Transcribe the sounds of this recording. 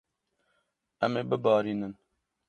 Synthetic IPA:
ɛmeːbɨbɑːɾiːnɨn

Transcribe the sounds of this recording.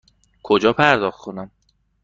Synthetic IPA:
kʰod͡ʒɒːpʰæɾd̪ɒːxkʰonæm

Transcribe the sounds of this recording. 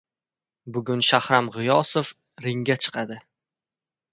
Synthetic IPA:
bʊɡʲʊnʃahɾamʁɪjɒsof | ɾɪŋʲat͡ʃʰɨ̥qʰɑd̪ɪ

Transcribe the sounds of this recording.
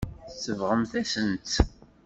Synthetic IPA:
θsːəvʁəmθæsənt̪

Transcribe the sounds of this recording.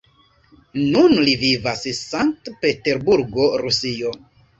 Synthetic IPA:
nunlivivassaŋk̚tpe̞te̞ɾbuɾɡo̞ɾusio̞

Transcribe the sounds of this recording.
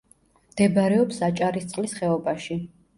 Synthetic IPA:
md̪̥ɛbaɾɛɔpsat͡ʃʼaɾist̪sʼlisχɛɔbaʃi

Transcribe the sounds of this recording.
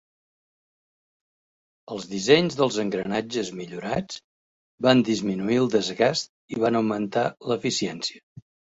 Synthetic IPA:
əlˠzðizɛɲzðəlˠzəŋɡɾənad͡ʒəzmiʎuɾat͡sd͡z | band̪izminuilˠd̪əzɣast̪̚ | iβanəwmənt̪aləfisiɛnsiə

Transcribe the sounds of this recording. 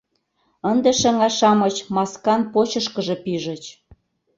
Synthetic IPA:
ənd̪eʃĕŋɑʃɑmɤt͡ɕmɑskɑnpot͡ɕə̆ʃkə̆ʒĕpiʒə̆t͡ɕ

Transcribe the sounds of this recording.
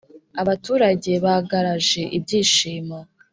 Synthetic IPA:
aβatuːɾaɟe̞βahaɡaɾaʒe̞ʔibɟiːʃiːmo

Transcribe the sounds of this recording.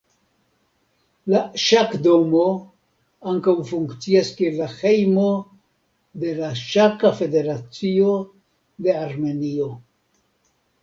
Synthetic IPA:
laʃakd̪o̞mo̞ | aŋkawfuŋkt͡siaskielaxe̞jmo̞ | d̪e̞laʃakafe̞d̪e̞ɾat͡sio̞ | d̪e̞aɾme̞nio̞

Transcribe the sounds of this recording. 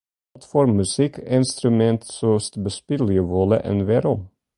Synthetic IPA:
t̪fɔɾmːʉsɪkɪnst̪ɾʉmɛnt̪søːst̪bəspɪlɪəʋoːlə̰ʔɛ̰nʋeːɾɔm

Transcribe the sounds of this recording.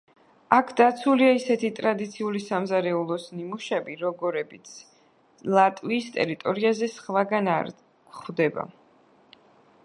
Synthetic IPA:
akʰd̪at̪sʰuliaisɛt̪ʰit̪ʼɾad̪it̪sʰiulisamzaɾɛulˠɔsnimuʃɛbiɾɔɡɔɾɛbit̪sʰ | lˠat̪ʼwiːst̪ʼɛ̰ɾit̪ʼɔɾiazɛsχvaɡanaɾ | kχd̪ɛba̰

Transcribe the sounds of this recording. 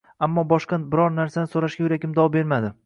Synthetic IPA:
amːɒbɒʃqɑbɪɾɒɾnaɾsanɪsoɾaʃɡʲajʊɾakʲɪmd̪ɒwɒbe̞ɾmad̪ɪ

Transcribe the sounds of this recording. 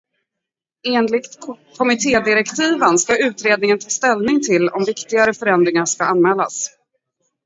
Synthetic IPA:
eːnlɪɡt̪kʰɔmɪt̪ʰeːd̪ɪɾɛkt̪ʰiːvənskaʉ̟ːt̪ɾeːd̪nɪŋənt̪ʰɑːst̪ɛlnɪŋt̪ʰɪlɔ̰mvɪkt̪ɪɡaɾəfœɾɛnd̪ɾɪŋaʂkaanmɛːlːa̰s

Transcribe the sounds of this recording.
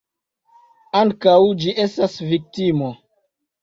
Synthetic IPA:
aŋkawd͡ʒiʔe̞stasvik̚timo

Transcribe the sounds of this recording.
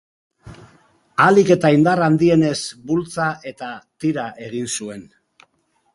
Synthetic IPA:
alike̞t̪aind̪arand̪ie̞ne̞zbult͡saʔe̞t̪at̪iɾaʔe̞ɣ̞insue̞n

